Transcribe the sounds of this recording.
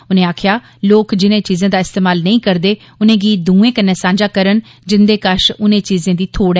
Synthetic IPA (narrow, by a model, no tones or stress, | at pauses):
ʊnẽːaːkʰjaː | loːkd͡ʒɪnẽːt͡ʃiːzẽːd̪aːɪst̪eːmaːlnəĩːkəɾd̪eː | ʊnẽːɡiːd̪ũːẽːkənːɛːsãːɲd͡ʒaːkəɾən | d͡ʒɪnd̪eːkəʃʊnẽːt͡ʃiːzẽːd̪iːt̪ʰoːɽɛ